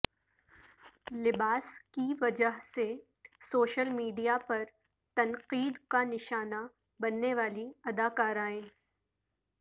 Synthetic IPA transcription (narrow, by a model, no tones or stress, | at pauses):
lɪbaːskiʋɐd͡ʒəɦse | soːʃəlmiːɖijapɐɾ | t̪ɐnqiːd̪kanɪʃaːna | bɐnːeʋaːliɐd̪aːkaːɾaːẽː